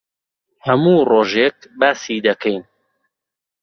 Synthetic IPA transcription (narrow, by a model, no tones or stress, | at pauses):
hɐmuːroːʒek̚baːsiːd̪ɐkʰɛjn